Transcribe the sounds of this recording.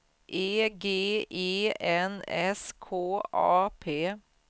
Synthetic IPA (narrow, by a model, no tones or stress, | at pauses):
ʔeːɡeːʔeːɛnɛskʰoːʔɑ̰ːpʰeː